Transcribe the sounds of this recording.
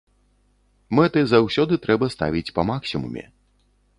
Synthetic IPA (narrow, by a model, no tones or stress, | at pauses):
mɛt̪ɨzawsʲɔd̪ɨt̪ɾɛbɐst̪a̰vʲit͡sʲpɐmaksʲimṵmʲɛ̰